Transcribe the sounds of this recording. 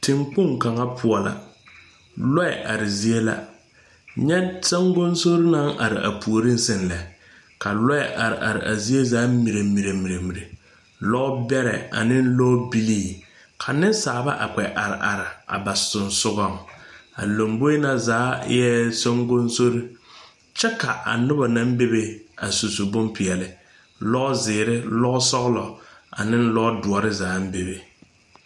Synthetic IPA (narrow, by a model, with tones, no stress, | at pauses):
tʰɪ˨ŋk͡pʊ˦ŋka˨ŋa˦pʰʊ˦ɔ˨la̰˨ | lɔ˦ɪ˨ʔa˨ɾɪ˨zi˦e˦la̰˦ | ɲɛ˦sa˦ŋɡo˦nso˦ɾɪ˦na˦ŋʔa̰˨ɾɪ̰˨ʔa̰˨pʰu˨o˨ɾi˦n̩˦sɪ˦˨nlɛ˨ | ka˨lɔ˦ɛ˨ʔa˨ɾɪ̰˨ʔa˨ɾɪ̰˨ʔa̰˨zi˦e˦zaː˨˦mi˨ɾe˨mi˨ɾe˨mi˨ɾe˨mi˨ɾe˨ | lɔ˦bɛ˦ɾɛ̰˨a̰˨nɪ˦n˦lɔ˦bi˦liː˦˨ | kʰa˨nɪ˦n˦saː˨ba˦ʔa˨k͡pɛ˨ʔa˨ɾɪ˨ʔa˨ɾɪ˨a̰˨ba˨sʊ˨nsʊ˦ɣɔ˦˨ŋa̰˨lo˨mbo˦e˦na˨zaː˨˦jɛ˦so˦ŋɡo˦n˦so˦ɾi˦ | t͡ʃɛ˦ka˨ʔa̰˨nʊ˦ba˨na˦m˦be˦be˨a˨su˨su˨bʊ˦mpʰɪ˨ɛ˨lɪ˨ | lɔ˦zɪː˨ɾɪ˦lɔ˦sɔ˦ɣlɔ˨a̰˨nɪ˦n̩˦lɔ˦dʊ˨ɔ˨ɾɪ˦zaː˨˦m̩˦be˨be˨